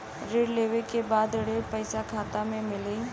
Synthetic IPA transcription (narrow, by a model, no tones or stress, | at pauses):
ɾeːɽleːʋekebaːd̪ɪɽepɐɪsakʰaːt̪amẽmɪli